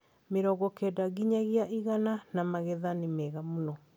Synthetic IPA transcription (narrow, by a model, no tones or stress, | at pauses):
meɾɔɣɔkɛdaɣiɲaɣiaʔiɣananamaɣɛðanemɛɣamunɔ